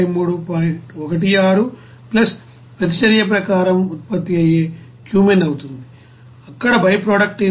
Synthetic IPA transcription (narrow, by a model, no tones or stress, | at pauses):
jmuːɽupaːjiɳʈɔkɐʈ̬ijaːɾu | plɐs | pɾɐt̪̬it͡ʃɐɾjɐp̬ɾɐkaːɾɐmut̪̚pɐt̪ːiɐjeː | kjuːmenɐwut̪und̪i | ɐkːɐɽɐbʱɐjpɾoːɽɐk̚ʈe